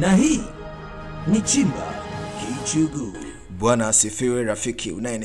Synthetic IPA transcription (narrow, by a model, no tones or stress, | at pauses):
naɦi | nit͡ʃim̩ba̰keit͡ʃuɡu | bwanasɪfɪweɾafikʰḭṵnajn